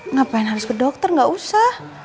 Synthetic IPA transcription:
ŋapaɪnɦaɾuskudɔk̚t̪ɔrŋɡausah

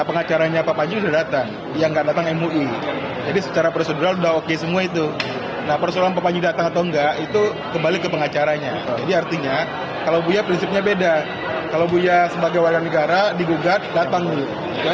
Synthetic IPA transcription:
pəŋat͡ʃaɾaɲapapaɲd͡ʒuudadat̪aŋ | jaŋɡaʔdat̪aŋɛmuʔi | d͡ʒadisə̥t͡ʃaɾapɾsəduɾaludaɦokesəmuait̪u | nahpərsolaŋpapaɲd͡ʒudat̪aŋat̪awŋɡaʔit̪u | kəmbalikəpəŋat͡ʃaɾaɲad͡ʒadiart̪iɲa | kalawbujapɾinsip̚ɲabeda | kalawbujasəbaɡajwarɡanəɡaɾadiɡuɡat̪̚dat̪aŋdu | ja

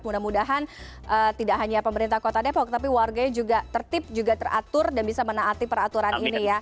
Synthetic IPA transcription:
munamudaɦan | ʔət̪idaʔɦaɲapəməɾint̪ahkot̪adɛpɔk̚t̪ap̬iwarɡaɲad͡ʒuɡat̪ərt̪ɪp̚d͡ʒuɡat̪əra̰t̪ʊrdanbisamənaːt̪ipəɾat̪uɾaninija

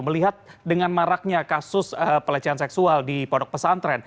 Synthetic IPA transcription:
məliɦat̪̚dəŋanmaɾak̚ɲakasʊsəpəlat͡ʃaansɛksualdipɔdɔk̚pəsant̪ɾɛn

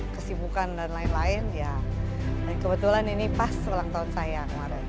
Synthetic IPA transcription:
kəsibukandanlaɪnlaɪnja | dankəbət̪ulaninipasulaŋt̪aunsajakəmaɾɛn

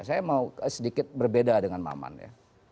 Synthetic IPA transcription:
sajamauəsədikɪt̪̚bərbedadəŋanma̰ma̰nja̰

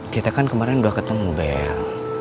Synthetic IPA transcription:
kiat̪akankəmaɾɛnduahkət̪əmubɛ̰

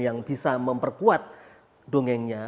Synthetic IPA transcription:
jaŋbi̤saməmpərkuat̪̚ | doŋɛŋɲa

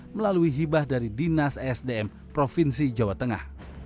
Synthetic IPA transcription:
məlaluiɦibahdaɾidinasɛsdeɛm | pɾofinsid͡ʒawat̪əŋa̰h

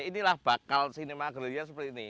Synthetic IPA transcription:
inilahb̥akalsinemaɡəɾiasəpərt̪ini

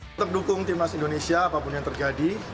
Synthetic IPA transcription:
t̪əp̚dukʊŋt̪imnasindonesiaːpapʊnjaŋt̪ərd͡ʒadi

